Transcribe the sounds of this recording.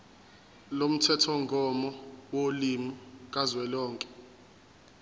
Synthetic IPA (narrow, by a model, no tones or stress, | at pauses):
lom̩tʰɛtʰɔŋɡʱɔmɔwolimukʼazwɛlɔːŋkʼɛ̥